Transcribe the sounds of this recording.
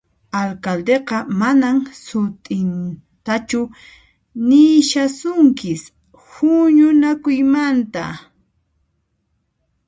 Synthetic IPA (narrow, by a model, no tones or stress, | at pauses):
alkald̪eqɑmanamsʊt̪ʼɪn | t̪at͡ʃʊ | nɪʃasʊŋkɪs | hʊɲʊnakʊjmant̪a̰